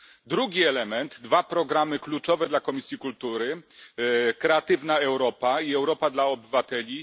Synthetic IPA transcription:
d̪ɾuɡʲiɛlɛmɛnd̪ːvapɾɔɡɾamɘklut͡ʂɔvɛd̪lakɔmʲisʲjikult̪uɾɘ | kɾɛat̪ɘvnaɛwɾɔpaiɛwɾɔpad̪laɔbɘvat̪ɛlʲi

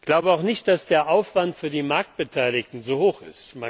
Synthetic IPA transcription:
ɡ̥laʊbəaʊxnɪçt̚d̥asd̥eːɐʔaʊfv̥antfyːɐdiːmaɐk̚t̚b̥ətʰaɪlɪktn̩zoːhoːxɪ̰stma

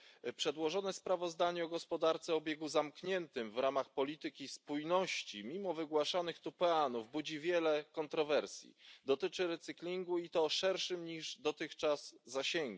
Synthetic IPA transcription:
pʂɛd̪wɔʐɔnɛspɾavɔzd̪aɲɛɔɡɔspɔd̪aɾt̪sɛɔbʲjɛɡuzamkɲɛnt̪ɘmvɾamaxpɔlʲit̪ɘkʲispujnɔɕt͡ɕimʲimɔvɘɡwaʂanɘxt̪upɛanuvbud͡ʑivʲjɛlɛkɔnt̪ɾɔvɛɾsʲjḭd̪ɔt̪ɘt͡ʂɘɾɛt̪sɘklʲiŋɡuit̪ɔʂɛɾʂɘmɲiʐd̪ɔt̪ɘxt͡ʂaz̥ːaɕɛŋɡu

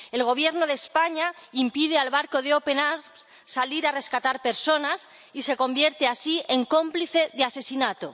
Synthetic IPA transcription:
e̞lɣ̞o̞β̞je̞ɾnoðe̞ːspaɲaimpið̞ealβaɾko̞ðeopenaɾ | saliɾare̞skat̪aɾpe̞ɾso̞nas | ise̞ko̞mbje̞ɾt̪easie̞ŋko̞mpliθeðease̞sinat̪o

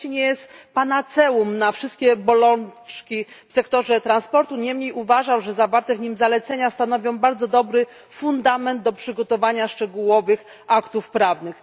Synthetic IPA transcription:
iɲɛjɛst̪panat̪sɛwumnafʂɘst̪̚kʲɛbɔlɔnt͡ʂkʲifsɛkt̪ɔʐɛt̪ɾanspɔɾt̪uɲɛmɲejuvaʐawʐɛzavaɾt̪ɛvɲimzalɛt̪sɛɲast̪anɔvʲjɔ̃w̃baɾd̪zɔd̪ɔbɾɘ | fund̪amɛnd̪̚d̪ɔpʂɘɡɔt̪ɔvaɲaʂt͡ʂɛɡuwɔvɘx | akt̪ufpɾavnɘx

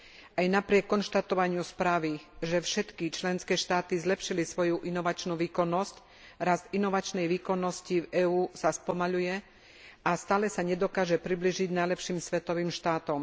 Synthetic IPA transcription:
ʔajnapɾɪɛkːɔnʃt̪at̪ɔʋaɲɪuspɾaːʋiʒɛfʃɛt̪kit͡ʃlɛnskɛːʃt̪aːt̪izlɛpʃilisʋɔjuʔinɔʋat͡ʃnuʋiːkɔnːɔsc | ɾazd̪inɔʋat͡ʃnɛjʋiːkɔnːɔscivɛːuːsaspɔmaʎujɛ | ʔast̪aːlɛsaɲɛd̪ɔkaːʒɛpɾibliːʒiɟnajlɛpʃiːmsʋɛt̪ɔʋiːmʃt̪aːt̪ɔm

